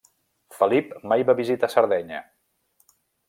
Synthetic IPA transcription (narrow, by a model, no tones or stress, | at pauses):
fəlipmajβaβizit̪asəɾðɛɲə